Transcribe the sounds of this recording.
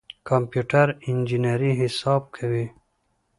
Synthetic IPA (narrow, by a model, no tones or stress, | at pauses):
kampjuʈɐɾind͡ʒinaɾiɦisɑːb̚kʰawi